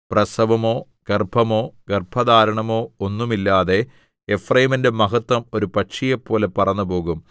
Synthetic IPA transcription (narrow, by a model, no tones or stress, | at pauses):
prɐsɐʋɐmo̞ː | ɡ̥ɐrbʱɐmoːɡɐrbʱɐd̪aːɾɐɳɐmo̞ːonːumilːaːðe̞ | efrɐiminde̞mɐɦɐt̪ːwɐmo̞ɾupɐʈʂijepːo̞ːle̞pɐrɐnːupo̞ːɣum